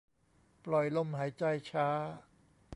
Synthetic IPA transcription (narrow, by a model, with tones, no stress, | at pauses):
plɔ˨˩jlo˧˥˩mhaː˩˦jt͡ɕa˧jt͡ɕʰaː˦˥